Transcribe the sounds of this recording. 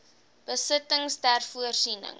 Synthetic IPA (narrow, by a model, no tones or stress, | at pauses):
b̥əsətəŋstærfuərsinə̰ŋ